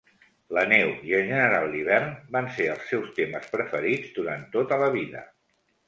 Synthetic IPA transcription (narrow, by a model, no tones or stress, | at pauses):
lənɛwiəlˠʒənəɾalˠiβ̞ɛrnbanseəlˠsɛwst̪eməspɾəfəɾid͡zd̪uɾant̪ot̪ələβiðə̰